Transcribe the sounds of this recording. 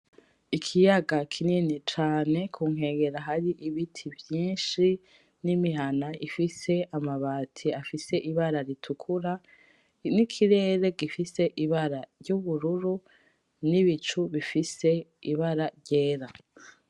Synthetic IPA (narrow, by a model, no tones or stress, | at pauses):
ikʰijaɡakʰininit͡ʃaːne̞kʰuŋ̥ɦe̞ːɡe̞ɾaɦaɾiʔiβitʰivjiːnʃi | nimiɦanaifise̞amaβaːtʰiafise̞ʔiβaɾaɾitʰukʰuɾa | nikʰiɾe̞ːɾe̞ɡifise̞ʔiβaɾaɾɟuβuɾuɾu | niβit͡ʃuβifise̞iβaɾaɾɟe̞ːɾa